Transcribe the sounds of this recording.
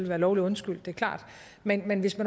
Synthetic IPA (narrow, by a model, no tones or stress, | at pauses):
lʋæːɐlɒʊliɔ̽nsɡ̥yl̰d̥e̝ɐkʰlɑ̰̈ːd̥ | menmenʋe̝smæn